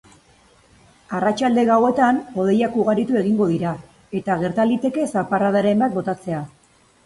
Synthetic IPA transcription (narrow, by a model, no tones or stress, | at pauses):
arat͡ʃald̪e̞ɣawe̞t̪ano̞ð̞e̞jakuɣaɾit̪ue̞ɣiŋɡo̞ðiɾa | e̞t̪aɣ̞e̞ɾt̪alit̪e̞ke̞saparaðaɾe̞mbat̪̚bo̞t̪at͡se̞a